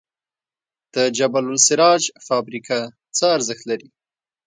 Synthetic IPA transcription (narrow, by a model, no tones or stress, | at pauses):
d̪̥əd͡ʒabalʊlsɪɾɑd͡ʒfɑbɾikʰa | t͡səaɾzəxt̪laɾi